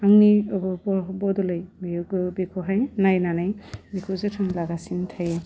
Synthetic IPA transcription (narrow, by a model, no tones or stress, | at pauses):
aŋniɔbɔbɔbɔdɔlajbbikʰɔɦajnajnanajbikʰuzetʰɔmlaɡasintʰajɛ